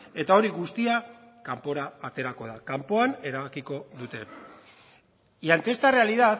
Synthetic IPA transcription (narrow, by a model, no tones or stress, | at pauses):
e̞t̪ao̞ɾiɣust̪iakampo̞ɾaːt̪e̞ɾako̞ð̞akampo̞ane̞ɾaβakiko̞ðut̪e̞ | iant̪e̞st̪are̞aliðat̪